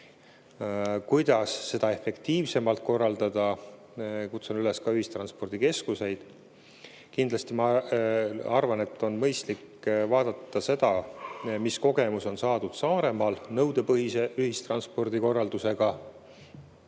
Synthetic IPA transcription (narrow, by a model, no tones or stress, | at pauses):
kujd̪̥ɑsːe̞d̪̥ɑe̞fe̞kt̪iːvse̞mɑlt̪̚ko̞rːɑld̪ɑd̪̥ɑ | kut̪sonyleskɑyhist̪rɑnspo̞rd̪̥ike̞skuse̞jd̪̥ | kind̪lɑst̪imɑ | ɑrvɑne̞t̪ːˑo̞nmɤjst̪lik | vɑːd̪̥ɑt̪ːɑse̞d̪ɑmisko̞ɡ̥e̞muso̞nsɑːd̪̥ud̪̥sɑːɾe̞mɑlnɤwd̪̥e̞pɤɦise̞ʔyhist̪rɑnspo̞rd̪iko̞rːɑld̪use̞ɡ̥ɑ